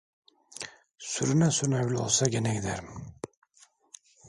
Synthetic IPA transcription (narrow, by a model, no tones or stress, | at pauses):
sʊɾnasʊnawlɒ̰lˠsaɡʲɪnaɡʲd̪aɾ